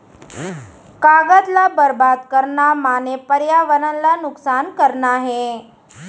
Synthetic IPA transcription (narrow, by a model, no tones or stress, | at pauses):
kaɡət̪labəɾbad̪kəɾɳamanepəɾjaʋənənlanʊksankəɾɳaɦe